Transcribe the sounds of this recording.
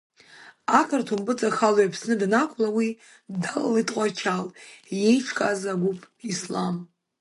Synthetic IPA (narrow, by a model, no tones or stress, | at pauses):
akʰartʰumbɨt͡sʼaxalojapʰsnɨdnakʷʰʼlawi | dala̰litʼqʷʼat͡ʃʰalje̞jʈ͡ʂʰkʼazaɡʷupʼ | islam